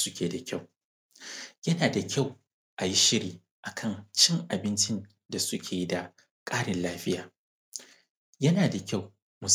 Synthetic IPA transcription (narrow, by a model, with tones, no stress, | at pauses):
sʊ˦kʲʰeː˨da˨kʲa˦˨w | jɐ˦naː˨da˨kʲa˦˨w | ʔa˨ji˦ʃɪ˦ɾiː˨ | ʔa˨kʰɐ˦˨nt͡ʃɪ˦ŋʔa˨bɪ˦nt͡ʃɪ˦n | da˨sʊ˦kʲʰeː˨ji˦da˨ | kʼaː˦ɽɪ˨nlaː˦ɸɪ˦jaː˨ | jɐ˦naː˨da˨kʲa˦˨w | mʊ˨s